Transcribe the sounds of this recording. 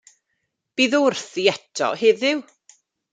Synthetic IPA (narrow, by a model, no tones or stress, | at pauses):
b̥iːðʊrθiɛtʰɔ̰heðɪw